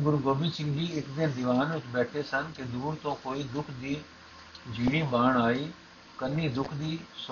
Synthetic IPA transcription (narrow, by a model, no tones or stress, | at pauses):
ɡʊɾɡoːbisɪ̃ŋɡʱiːɪkd̪ɪnd̪ɪʋaːnʋɪt͡ʃbɛːʈʰesənked̪uːɾt̪õːkoːid̪ʊkʰd̪iː | d͡ʒʱiːɽ̃iːbaːɳaːiː | kɐnid̪ʊkʰd̪iːs